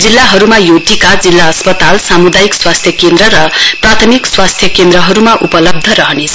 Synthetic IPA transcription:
d͡zilːaɦʌɾumajod̪ʱikad͡zilːaʌspʌt̪alsamud̪ajikswast̪ʰjʌkend̪ɾʌɾʌprat̪ʰʌmikswast̪ʰjʌkend̪ɾʌɦʌɾumaʔupʌlʌb̚d̪ʱʌɾʌɦʌnet͡sʰ

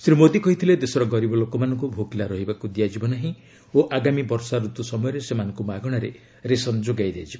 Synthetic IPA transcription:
sɾimod̪ikɔɦit̪ʰiled̪esɔɾɔɡɔɾibɔlokɔmanɔŋkubʱokilaɾɔɦibakud̪ijad͡ʒibɔnaɦĩ | oʔaɡamibɔɾsaɾut̪usɔmɔjɔɾesemanɔ̃ŋkumaɡɔɽ̃aɾe | ɾesɔnd͡ʒoɡajd̪ead͡ʒibɔ

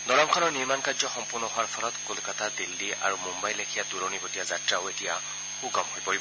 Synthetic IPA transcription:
dɔɹamkʰɔnɔɹniɹmankajzɔxɔmpʊɹnɔɦʊwaɹpʰɔlɔtkolkatadildia̰ɹumumbajlekʰijatuɹɔnibotijazatɹaʊetija | xuɡɔmɦojpoɹib

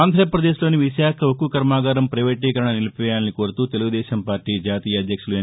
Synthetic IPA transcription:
aːnd̪ʱɾɐpɾɐd̪eːʃlo̞ːniʋiʃaːkʰɐokukɐɾmaːɡaːɾɐmpɾɐʋɐʈ̬ːiːkɐɾɐɳɐnilɐpɛjaːnːiko̞ːɾut̪uːt̪e̞luɡud̪ɛːʃɐmpaːɾʈːiːd͡ʒaːt̪iːjɐɐd̪jɐkʂuluɐ

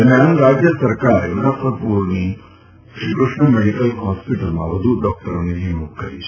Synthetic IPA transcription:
ɐɾmjaːnɾaːd͡ʑjɐsɐɾkaːɾud̪apɐpuːɾni | ʃɾikɾuʂɳɐmeɽikɐlɦɔːspiʈɐlmã̰ʋɐd̪ʱuɖɔːk̚ʈɐɾɐnid͡ʒimukʰɐ̰ḭ

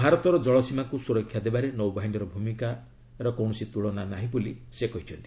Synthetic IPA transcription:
bʱaɾɔt̪ɔɾɔd͡ʒɔɭɔsimakusuɾɔkʰːjad̪ebaɾenɔwbʱaɦiɳɖɔɾɔbʱumika | ɾɔkow̃ɔsit̪uɭɔnanaɦĩbulisekɔɦit͡ʃʰɔnt̪i̥

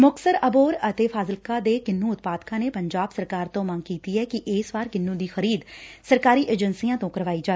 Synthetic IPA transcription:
mʊksəɾəboːɾət̪eːpʰaːzəlkaːd̪eːkɪnːũːʊt̪̚paːd̪kãːneːpəɲd͡ʒaːbsəɾkaːɾt̪õːmə̃ŋɡkiːt̪iːɦɛːkɪʔɪːsʋaːɾkɪnːũːd̪iːxəɾiːd̪səɾkaːɾiːʔeːd͡ʒənsiːãːt̪õːkəɾʋaːiːd͡ʒaː

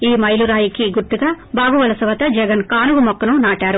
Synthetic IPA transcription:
iːmɐjluɾaːjikiɡuɾt̪ːuɡaː | baːɡuʋɐlɐsɐʋɐt̪ɐd͡ʒɛɡɐnkaːnuɡumɔkːɐnunaːʈaːɾu

